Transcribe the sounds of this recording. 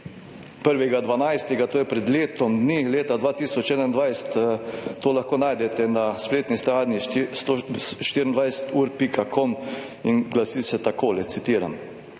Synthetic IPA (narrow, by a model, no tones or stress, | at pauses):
pəɾʋɛɡad̪ʋanajst̪ɛɡat̪oːjɛpɾɛd̪leːt̪ɔmd̪nileːt̪ad̪ʋaːt̪iːsɔt͡ʃɛːd̪aind̪ʋajst̪t̪ːoːlaxkoːnaːjd̪ɛt̪ɛnaspleːt̪nist̪ɾaːdnist̪oʃt̪iɾənd̪ʋajsə̥t̪uːɾpikakɔm | inɡlasiːsɛt̪akoːlɛt̪sit̪iːɾa̰m